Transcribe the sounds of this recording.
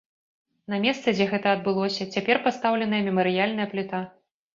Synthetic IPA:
nɐmʲɛst̪sɛd͡zʲɛɣɛt̪ɐɐd̪̚bɨlˠɔsʲɐt͡sʲapʲɛrpast̪awlʲɛnɐjɐmʲɛmɐɾɨjalʲnɐjɐplʲut̪a

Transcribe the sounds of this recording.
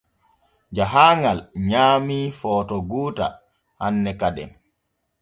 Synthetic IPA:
d͡ʒaɦaːŋɡalɲaːmiːfɔːtɔɡuːta̰ | hanːɛkadɛ̰m

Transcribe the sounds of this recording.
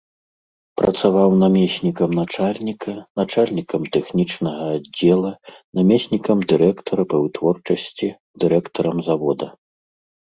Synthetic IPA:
pɾʔɐ̰t̪savawnamʲesʲnʲikɐmnat͡ʂalʲnʲikʰɐnat͡ʂalʲnʲikɐmt̪ɛxnʲit͡ʂnɐɣɐːdd͡zʲːɛlˠɐnamʲɛsʲnʲikɐmd̪ɨɾɛkt̪ɔɾɐpɐwt̪vɔrt͡ʂɐsʲt͡sʲi | d̪ɨɾɛkt̪ɔɾɐmzavɔd̪ɐ

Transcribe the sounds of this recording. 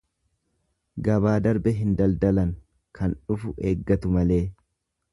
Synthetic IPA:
ɡɐbaːd̪ɐɾbɛɦɪnd̪ɐld̪ɐlɐŋ | kʰɐnᶑʊfʊʔeːɡːɐt̪ʊmɐle̞ː

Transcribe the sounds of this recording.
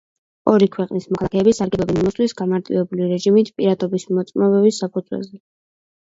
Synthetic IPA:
ɔɾikʰwɛqʼnismɔkʰalˠakʰɛːbisaɾɡɛlɔbɛnimɔswisɡamaɾt̪ʼḭvɛbuliɾɛʒimit̪ʰpʼiɾat̪ʰɔbismɔt̪sʼmɔbɛbisːapʰud̪zwɛ̰zɛ

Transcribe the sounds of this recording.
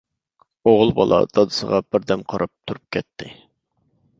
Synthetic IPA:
oʁʊlˠbɑlˠɑ̰d̪ɑd̪ɨsəʁɑb̥ɪɾd̪ɛmqʰɑɾʔɑp̚t̪ʰuɾup̚kʲʰɛt̪ʰːɪ

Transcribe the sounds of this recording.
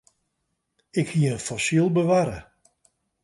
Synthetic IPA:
ɪkhiəənfɔsilˠbəʋaɾə̰

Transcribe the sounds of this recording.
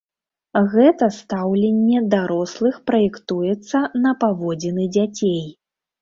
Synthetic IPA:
ɣɛt̪ɐst̪awlʲenʲːɛd̪aɾɔslˠɨxpɾɐjɛkt̪ujɛt̪sːɐnɐpavɔd͡zʲinɨd͡zʲat͡sʲej

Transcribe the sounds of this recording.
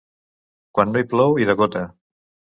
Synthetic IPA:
kwanːoiplɔwiðəɣot̪ə

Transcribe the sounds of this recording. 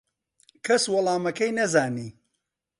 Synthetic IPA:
kʰɐswɐlˠɑːmɐkɐjnɐzaːniː

